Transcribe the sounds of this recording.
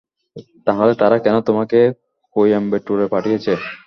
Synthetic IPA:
t̪aɦolet̪aɾakɛnot̪omake | kojambeʈːuɾepaʈʰijet͡ɕʰe

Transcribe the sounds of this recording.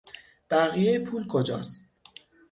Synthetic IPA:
b̥æɣijejepʰuːlkʰo̞d͡ʒɒ̰ːst̪̚

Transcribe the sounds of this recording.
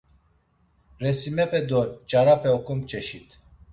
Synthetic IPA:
ɾɛsimɛpʰʼɛd̪ɔt͡ʃʼaɾapʰɛɔkʰʼɔmpt͡ʃʼɛʃit̪ʰ

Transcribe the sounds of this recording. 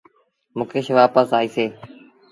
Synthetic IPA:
mʊ̃ːkeːʃʋaːpəsaːiːseː

